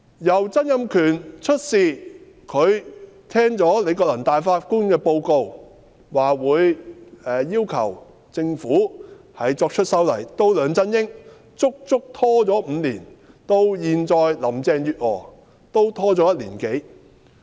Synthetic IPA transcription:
jɐ˨˩wt͡sɐ˥njɐ˧mkʰyː˨˩nt͡ʃʰɵ˥t̚siː˨˩ | kʰɵ˨˧ɥt̪ʰɛː˥ŋt͡sɔː˨˥le˨˧jkɔː˧lɐ˨˩nt̪aː˨jfaː˧t̚kuː˥nkɛː˧po˧wko˧w | waː˨wuː˨˧jɛː˨jiː˥wkʰɐ̰˨˩w | t͡sɪ˧ŋfuː˨˥ | hɐ˨jt͡sɔː˧k̚t͡ʃʰɵ˥t̚sɐ˥wlɐ˨˩jt̪o˥wlœː˨˧ŋt͡sɐ˥njɪ˥ŋ | t͡sʊ˥k̚t͡sʊ˥k̚t̪ʰɔː˥t͡sɔː˨˥m̩ː˨˧liː˨˩n | t̪o˧wjiː˨nt͡sɔː˧jlɐ˨˩mt͡sɛː˧ŋjyː˨t̚ɔː˨˩ | t̪o˥wt̪ʰɔː˥t͡sɔː˨˥jɐ˥t̚liː˨˩nke˨˥j

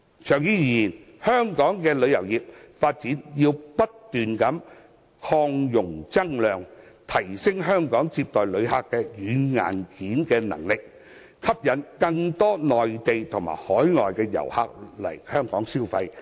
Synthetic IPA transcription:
t͡ʃʰœː˨˩ŋjiː˨˥jiː˩˨jiː˨˩n | hœː˥ŋkɔː˨˥ŋkɛː˧lɵ˨˧ɥjɐ˨˩wjiː˨˩p̚faː˧t̚t͡siː˨˥njiː˧wpɐ˥t̚t̪yː˨nkɐ˨˥m | kʰɔː˧ŋjʊ˨˩ŋt͡sɐ˥ŋlœː˨˧ŋt̪ʰɐ˨˩jsɪ˥ŋɦœː˥ŋkɔː˨˥ŋt͡siː˧p̚t̪ɔː˨jlɵ˨˧ɥhaː˧kːɛː˧jyː˨˧ŋa̰ː˨˩nkiː˨˥nkɛː˧nɐ̰˨˩ŋlɪ˨k̚ | kʰɐ˥p̚jɐ˨˧nkɐ˧ŋt̪ɔː˥nɔː˨˩jt̪e˨jt̪ʰʊ˨˩ŋma̰ː˨˩jhɔː˨˥jŋɔː˨˩jkɛː˧jɐ̰˨˩wha̰ː˧k̚lɐ̰˨˩jhœː˥ŋkɔ̰ː˨˥ŋsiː˥wfɐ˧j

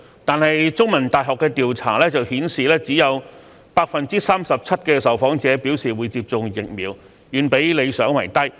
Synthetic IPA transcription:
t̪aː˨nhɐ˨jt͡sʊ˥ŋmɐ˨˩nt̪aː˨jɦɔː˨kːɛ˧t̪iː˨wt͡sʰa̰ː˨˩lɛː˥t͡sɐ˨whiː˨˥nsiː˨lɛː˥t͡siː˨˥jɐ˨˧w | paː˧k̚fɐ˨nt͡siː˥saː˥msɐ˨p̚t͡sʰɐ˥t̚kɛː˧sɐ˨˩wfɔː˨˥ŋt͡sɛː˨˥piː˨˥wsiː˨˩wuː˨˧jt͡siː˧p̚t͡sʊ˨˧ŋjɪ˨k̚miː˨˧w | jyː˨˧npe˨˥jle˨˧jsœː˨˥ŋwɐ˨˩jt̪ɐ˥j

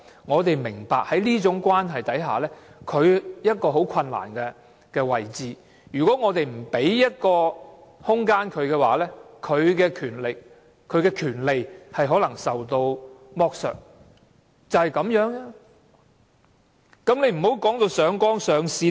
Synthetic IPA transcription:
ŋɔː˨˧t̪e˨jmɪ˨˩ŋpaː˨k̚hɐ˨˥jliː˥t͡ʃʊ˨˥ŋkʷwaː˥nɦɐ˨jt̪ɐ˨˥jɦa̰ː˨˩lɛː˥kʰɵ˨˧ɥjɐ˥t̚kɔː˧ɦo˨˥wkʰɐ˧nla̰ː˨˩nkɛː˧ | kɛː˧wɐ˨jt͡siː˨ | jyː˨kɔː˨˥ŋɔː˨˧t̪e˨jm̩˨˩pe˨˥jjɐ˥t̚kɔː˧hʊ˥ŋkaː˥nkʰɵ˨˧ɥkɛː˧wa̰ː˨˦lɛː˥kʰɵ˨˧ɥkɛː˧kʰyː˨˩nlɪ˨kʰ | ɵ˨˧ɥkɛː˧kʰyː˨˩nle˨jhɐ˨jɦɔː˨˥lɐ˨˩ŋsɐ˨wt̪o˧wmɔː˧k̚sœ̰ː˨k̚ | t͡sɐ˨whɐ˨jkɐ˨˧˥mjœː˨˥ŋaː˧ | kɐ˨˥mnle˨˧jm̩˨˩ho˨˥wkɔː˨˥ŋt̪o˧wsœː˨˧˥ŋkɔː˥ŋsœː˨˧ŋsiː˨˧

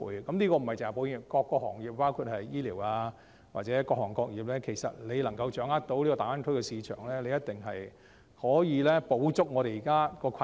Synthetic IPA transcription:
jkɐ˨˦mnliː˥kɔː˧m̩˨˩hɐ˨jt͡se˨˩hɐ˨˩po˨˥wi˨˩kɔː˧kːɔː˧k̚hɔː˨˩ŋjiː˨p̚pːaː˥wkʰuː˧t̚hɐ˨jjiː˥liː˨˩waː˧ | wa̰˨t̚t͡sɛː˨˥kɔː˧khɔː˨˩ŋkɔː˧k̚jiː˨p̚lɛː˥kʰe˨˩jsɐ̰˨t̚le˨˧jlɐ˨˩ŋkɐ˧wt͡ʃœː˨˥ŋaː˥t̚t̪o˨˥wliː˥kɔː˧t̪aː˨˥wa˥nkʰɵ˥jkɛ˧siː˨˧t͡ʃʰœ̰ː˨˩ŋlɛː˥le˨˧jɐ˥t̚t̪ɪ˨ŋɦɐ˨j | hɔː˨˥jiː˨˧lɛː˥po˨˥wt͡sʊ˥k̚ŋɔː˨˧ɾe˨jiː˨˩kaː˥kɔː˧kʰɐ˧˨

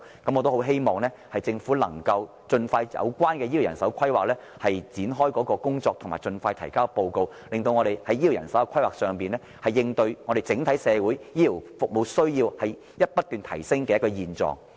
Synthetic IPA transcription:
kɐ˨˥mːɔ˨˧t̪o˥ho˨˥wɦe˥jmɔː˨ŋnɛː˥hɐ˨jt͡sɪ˧ŋfu˨˥lɐ̰˨˩ŋkɐ˧w | t͡ʃɵ˧nfaː˧jjɐ̰˨˧wkʷwaː˥nkɛː˧jiː˥i˨˩wjɐ˨˩nsɐ˨˥wkʰɐ˥jwaː˨k̚lɛː˥ | hɐ˨jt͡siː˨˥nɦɔː˥jkɔː˨˥kɔː˧kʊ˥ŋt͡sɔː˧k̚t̪ʰʊ˨˩ŋmaː˨˩jt͡ʃɵ˧nfaː˧jt̪ʰɐ˨˩jkaː˥˧po˧wko˧w | lɪ˨ŋt̪o˧wŋɔː˨˧ɾe˨jhɐ˨˥jːi˨˩wjɐ̰˨˩nsɐ˨˥kɛ˧kʷʰɐ˥jwaː˨k̚sœː˨˧ŋpiː˨nlɛː˥ | hɐ˨jɪ˧ŋt̪ɵ˧ɥŋɔː˨˧ɾe˨˩jt͡sɪ˨˥ŋt̪ʰɐ˨˥jsɛː˨˧wuː˨˥jjiː˥li˨˩wfʊ˨k̚mo˨˧wsɵ˥ɥjiː˧whɐ˨j | jɐ˥t̚pɐ˥t̪ːyː˨nt̪ʰɐ̰˨˩jsɪ˥ŋkɛː˧jɐ˥kːɔː˧jiː˨˩nt͡sɔ̰ː˨ŋ

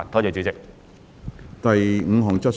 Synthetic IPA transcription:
nt̪ʰɔː˥t͡sɛː˨˧t͡ʃyː˨˥t͡sɪ˨k̚ | t̪ɐ˨jŋ̩˨˧ɦɔː˨ŋt͡sɐ˥t̚

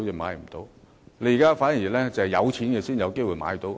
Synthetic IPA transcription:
ji˨˩maː˨˧jm̩˨˩t̪o˨˧w | le˧ji˨˩kaː˥faː˨˥nji˨˩lɛː˥t͡sɐ˨˩hɛ˨jɐ˨˧wt͡sʰiː˨˥nkɛ˧siː˥njɐ˨˧wke˥jwuː˨˧jma̰ː˨˧˥jt̪o˨˧˥w

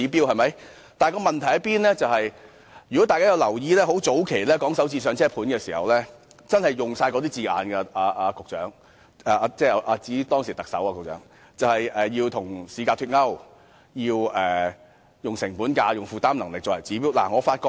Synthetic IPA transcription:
iː˨˥piː˥whɐ˨jmɐ˨˥j | t̪aː˨˩kɔː˧mɐ˨nt̪ʰɐ˨˩jɐ˥t̚piː˥nlɛː˥t͡sɐ˨whɐ˨j | jy˨kɔ˨˥t̪aː˨˧kaː˥jɐ˧wlɐ˨˩wjiː˧lɛː˥ho˨˥wt͡so˨˥wkʰe˨˩jlɛː˥kɔː˨˥ŋsɐ˨˥wt͡siː˧sœː˨˧ŋt͡sʰɛː˥pʰuː˨˥nkɛː˧siː˨˩hɐ˨wlɛː˥ | t͡sɐ˥nhɐ˨jʊ˨ŋsaː˧jkɔ˨˧t̪iː˥t͡siː˨˧a̰ː˨nkɛ˧ʔaː˨˧ʔaː˧kʊ˨k̚t͡ʃœː˨˥ŋ | ɛː˨˧t͡sɛː˥˩˧ʔaː˧t͡siː˨˥t̪ɔː˥ŋsi˨˩t̪ɐ˨k̚sɐ̰˨˥wa˧kʊ˨˩k̚t͡ʃœː˨˥ŋ | t͡sɐ˨whɐ˨jɛː˨˩jiː˧wt̪ʰʊ˨˩ŋsiː˨˧kaː˧t̪ʰyː˧t̚ŋɐ˥w | jiː˧wɛː˨ | jʊ˨ŋsɪ˨˩ŋpuː˨˥nkaː˧jʊ˨ŋfuː˨˧t̪aː˥mnɐ˨˩ŋlɪ˨k̚t͡sɔː˨˩ɛ˨˩t͡siː˨˥p̬iː˥wla̰ː˨˩ŋɔː˨˧faː˧t̚kɔː˧

